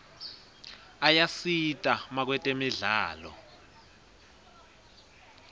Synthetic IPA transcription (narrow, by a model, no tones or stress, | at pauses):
ajasitʼamak̬wɛtʼemiɮaːlɔ̰